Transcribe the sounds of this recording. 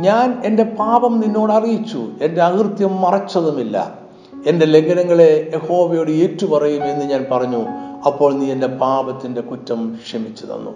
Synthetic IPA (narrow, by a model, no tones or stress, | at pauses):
ɲaːne̞nde̞paːbɐmninːo̞ːɽɐrijit͡ɕːṵe̞nde̞ɐkrt̪jɐmːɐrɐt͡ɕːɐðumilːɐ̰ | e̞nde̞le̞ŋɡɐnɐŋːɐɭe̞jeho̞ːʋɐjoːɽɨeːtːupɐrɐjume̞nːɨɲaːnpɐrɐɲːuɐpːo̞ːɭniːende̞paːbɐt̪ːinde̞kutːɐmɕɐmit͡ɕːɐðɐ̰nːṵ